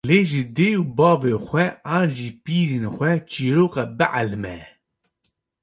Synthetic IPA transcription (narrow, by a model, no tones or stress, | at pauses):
leːʒɪd̪eːubɑːvexʷɛʔɑːnʒiːpiːɾenxʷɛt͡ʃiːɾoːkɑːbɨʕalmɛ